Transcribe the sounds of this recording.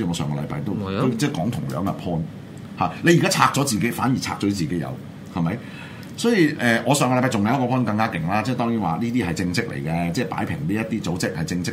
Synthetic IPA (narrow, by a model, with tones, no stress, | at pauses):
iː˧ŋɔ˨˧sœː˨ŋkɔ˧lɐ˨˧jpaː˧jt̪o˥wt̪o˥t͡sɛː˥˩kɔː˨˥ŋt̪ʰʊ˨˩ŋlœː˨˥ŋɐ̰˨pʰɔː˥n | haː˨˩le˨˧jkaː˥t͡sʰaː˧k̚t͡sɔː˨˥t͡siː˨ke˨˥jfaː˨˥njiː˨˩t͡sʰa̰ː˧k̚t͡sɔː˨˥t͡siː˨ke˨˥jɐ̰˨˧w | hɐ˨mɐ˨˦j | sɔː˨˥jiː˨˧ʔɛː˨ŋɔː˨˧sœː˨ŋɔ˧˨˧jpaː˧˩t͡sʊ˨ŋjwkɔ˧pʰɔː˥nkɐ˧ŋkaː˥kɪ˨˩ŋlaː˥t͡sɛː˥˩t̪ɔː˥ŋjiː˨˥nwa̰ː˨liː˥t̪iː˥hɐ˨˩jt͡sɪ˧ŋt͡sɪ˥k̚lʔḛ˨˩jkɛ˧t͡sɛː˥˩paː˨˥jpʰɪ̰˨˩ŋliː˥jɐ˥t̪iː˥t͡so˨˥wt͡sɪ˥k̚hɐ˨˩jt͡sɪ˧ŋt͡ssɪ˥